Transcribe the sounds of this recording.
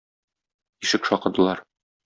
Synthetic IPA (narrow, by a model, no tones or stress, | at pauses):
iʃɘkʃɒqɤ̆ɾd̪ɤ̆lˠɑɾ